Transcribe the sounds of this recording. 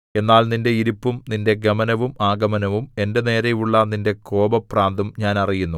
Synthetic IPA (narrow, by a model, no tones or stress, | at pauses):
e̞nːaːlninde̞iɾupːumninde̞ɡɐmɐnɐʋumaːɡɐmɐnɐʋume̞nde̞ne̞ːɾɐjuɭːɐninde̞ko̞ːbɐpraːnd̪umɲaːnɐrijunːu